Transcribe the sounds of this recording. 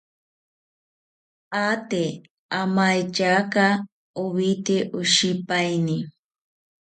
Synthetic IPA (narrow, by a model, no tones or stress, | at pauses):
at̪e | amajt͡ʃaka | uβit̪eʔuʃipajni